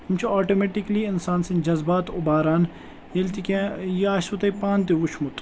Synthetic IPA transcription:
umt͡ʃʰiaːʈoːmeʈikliɪnsaːnsind͡ʒɐzbaːt̪ʊbaːɾaːn | jelt̪ikʲẽjaːsut̪ɐipãːnt̪̬eut͡ʃʰmut̪

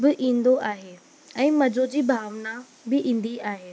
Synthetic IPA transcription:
bɪʔĩːn̆d̪oʔaːɦe | ɛ̃ːmɐd͡ʑod͡ʑiːbʱaːʋna | bɪʔĩːn̆d̪iaːɦeː

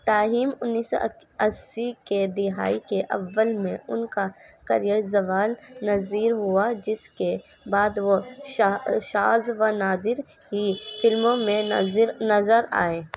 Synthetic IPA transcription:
t̪aːɦiːmʊnːiːsɔ̰ | ɐsiked̪ɪɦa̰ːikeʔɐ̰ʋːəlmḛ̃ʊnkakɐ̰ɾijəɾzɐʋaːlnɐziːɾɦʊad͡ʒɪske | baːd̪ʋoʃʃaːzʋanaːd̪ɪɾ | ɦifʰɪlmõmẽɾnɐzəɾa̰ːẽː

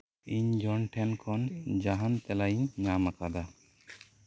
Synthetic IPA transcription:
iɲd͡ʒɔnʈʰɛnkʰɔnd͡ʒaɦant̪ɛlajiɲːamakad̪a

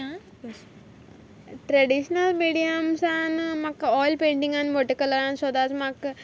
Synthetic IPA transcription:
a | ʈɾeɽiɕnəlmiɽijamsanmakːɔjlpẽɳʈĩŋɡanʋɔʈikələɾãnsʋəd̪at͡smak

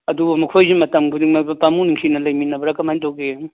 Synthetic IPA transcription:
ɐdubɐmɐkʰojzimɐtɐmɡudiŋmabɐpamuniŋsʰinɐlɐjminɐbɐɾakɐmantowɡe

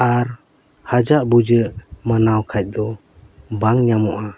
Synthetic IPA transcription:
aɾ | had͡ʒaʔbud͡ʒəʔmanawkʰac̚ˀd̪ɔ | baŋɲamɔʔa

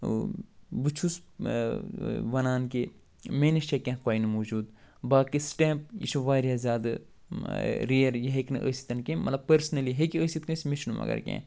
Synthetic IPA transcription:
but͡ʃʰus | ʋɐnaːnki | meːnit͡ʃekʲẽːkoːjinmoːd͡ʒuːd̪ | baːkisʈɛ̃ːp̚ḭʃʰuʋaːɾʲjazjaːd̪ɨ | ɾiɐɾjɐɦeknɨ̰ʔə̰si̥t̪ɐnkemɐ̰t̪lɐbpɐɾsnɐliɦekiəːsit̪nsmiʃnumɐ̰ɡɐ̰ɾkʲḛ̃ː

